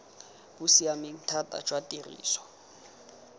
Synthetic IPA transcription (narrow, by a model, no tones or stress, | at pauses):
b̥usiamɪŋ̩tʰatʼa̰d͡ʒwatʼirḭːsɔ̥